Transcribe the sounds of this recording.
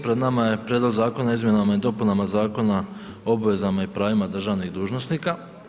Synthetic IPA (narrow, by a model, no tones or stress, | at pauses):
pɾed̪namaje̞pɾjed̪lˠoɡzaːko̞naizmje̞namaid̪o̞punamazaːko̞naobʋe̞zamaipɾaːʋimad̪r̩ʒaːʋniɣd̪uːʒno̞sniːka